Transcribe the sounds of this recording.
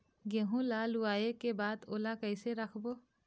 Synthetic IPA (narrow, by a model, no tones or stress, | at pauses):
ɡeɦũlaːluaːekebaːd̪oːlakəɪseɾəkʰboː